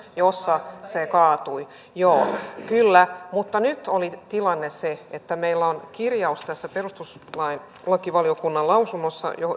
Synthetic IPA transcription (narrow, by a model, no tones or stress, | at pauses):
josːɑsekɑːt̪ui | joːkylːæmut̪ːɑnyt̪olit̪ilɑnːeseet̪ːæmeilːæonkirjɑust̪æsːæperust̪uslɑin | lɑkiʋɑliokunːɑlɑusunːosːɑ̰jo